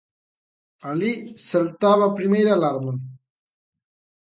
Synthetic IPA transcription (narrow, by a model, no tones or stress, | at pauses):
ɐlisɐlt̪aːβapɾimeːɾalaːɾmɐn